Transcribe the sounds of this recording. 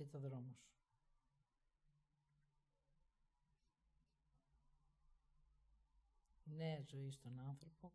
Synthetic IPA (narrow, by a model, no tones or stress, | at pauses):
et̪oðɾo̞mos | nezo̞ist̪onɐnθɾopo